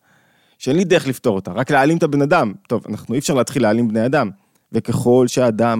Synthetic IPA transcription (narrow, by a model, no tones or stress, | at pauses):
ʃeenlid̪eʁeχlift̪o̞ʁo̞t̪aʁaklealimet̪abe̞nad̪amt̪o̞va̰naχnuifʃaʁleat̪χilealimbnejad̪am | veke̞χo̞lʃeaːd̪am